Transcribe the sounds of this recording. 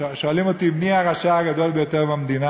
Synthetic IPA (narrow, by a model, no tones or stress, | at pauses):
ʃoalimo̞t̪ibniaʁaʃaaɡad̪o̞lbejot̪e̞ʁbamd̪ina